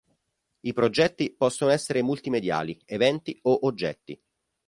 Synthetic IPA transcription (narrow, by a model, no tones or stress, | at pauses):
ipɾod͡ʒɛt̪ːipɔsːonoɛsːeɾemult̪imed̪ja̰ːlievɛnt̪ioʔod͡ʒːɛ̰t̪ːḭ